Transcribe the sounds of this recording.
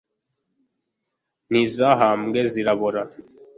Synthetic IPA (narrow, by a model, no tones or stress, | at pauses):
nizaɦamɡeziɾaβoɾa